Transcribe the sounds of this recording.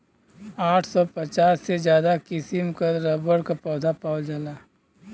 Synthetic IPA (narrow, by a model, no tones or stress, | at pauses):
aːʈʰsɔpɐt͡ʃaːsːed͡ʒjaːd̪akɪsɪmkəɾɐbəɾkapɔːd̪ʱapaːʊd͡ʒaːlaː